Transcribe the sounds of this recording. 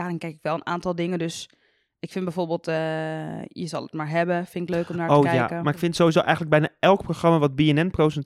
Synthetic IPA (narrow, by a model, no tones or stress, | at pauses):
daːrɪnkɛjkɪkʋɛlˠəna̰ːntɔlˠdɪŋədøs | ʔɪkfɪnbɛjfoːrbeːlˠtə | jəzɑ̰lˠətmaːɹɦɛbəfɪnɪkløːkɔmnaːɹoəːkjɛa̰kəmaːrɪkfɪntsoːizo̰ːʔɛ̰jxən̩dləɡbɛjnaɛlˠk̚proxrɑmaʋɔd̚biɛnɛnprosɛn